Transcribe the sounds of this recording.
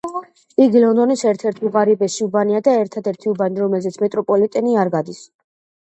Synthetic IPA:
iɡlɔnd̪ɔnisɛɾt̪ʰɛɾt̪ʰuʁaɾibɛsiubaniad̪aɛɾt̪ʰad̪ɛɾt̪ʰiubaniɾɔmɛlzɛt̪sʰmɛt̪ʼɾɔpʼɔlit̪ʼɛniaɾɡad̪is

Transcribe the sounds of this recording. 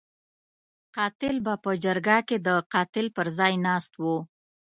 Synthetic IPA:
qɑt̪ɪlbapəd͡ʒaɾɡaked̪əqɑt̪ɪlpəɾzɑjnɑst̪wu

